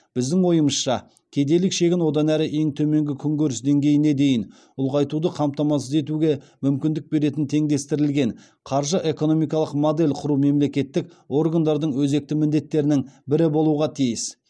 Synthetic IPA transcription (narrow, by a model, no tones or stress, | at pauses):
b̥ɪzd̪ɪŋwo̞jəməsʃɑ | kʲʰe̞d̪e̞lɪkʃe̞kʲɪnwo̞d̪ɑnæɾɪʔe̞ŋt̪ʰɵme̞ŋɡʲɪkʲʰʏŋɡʲɵɾɪsd̪e̞ŋɡʲe̞jɪne̞d̪e̞jɪn | ʊlˠʁɑjt̪ud̪əqʰɑmpt̪ɑmɑsəze̞t̪̬uɡʲe̞ | mʏmkʲɪnd̪ɪk̚be̞ɾe̞t̪ɪnt̪ʰe̞ŋd̪e̞st̪ɪɾɪlɡʲe̞n | qʰɑɾʒəʔe̞ko̞no̞mijkɑlˠəqmod̪e̞lʲqʰʊɾume̞mle̞kʲe̞t̪ːɪk̚ | o̞rɡand̪ɑɾd̪əɴwɵze̞k̚t̪ɪmɪnd̪e̞t̪ːe̞ɾɪnɪŋbɪɾɪbo̞lˠuʁɑt̪ʰijɪs